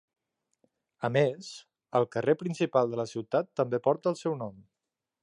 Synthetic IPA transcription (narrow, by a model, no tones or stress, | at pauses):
əmez̥ | əlˠkərepɾinsipalˠd̪ələsiwt̪at̪ːəmbepɔɾt̪əːlˠsɛwnɔm